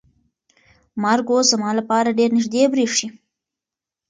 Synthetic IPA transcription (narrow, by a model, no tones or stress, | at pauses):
mɑɾɡozamɑlapɑɾaɖeɾnɪʒd̪ebɾeʂi